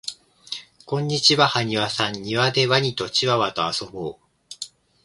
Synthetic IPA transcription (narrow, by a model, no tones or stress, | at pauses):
kõ̞ɲ̟ːit͡ɕiβahaɲ̟iβasãɲːiβad̪e̞βaɲ̟it̪o̞t͡ɕiβaβat̪o̞aso̞boː